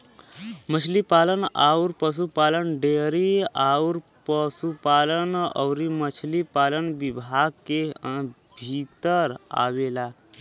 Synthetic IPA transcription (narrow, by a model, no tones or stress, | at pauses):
mət͡ʃʰlipaləna̰uɾpəs̬upalənɖeɾiauɾ | pəsupalənə̰wɾimət͡ʃʰlipaːlənbibʱaɡ̚ke | bʱit̪əɾa̰ʋela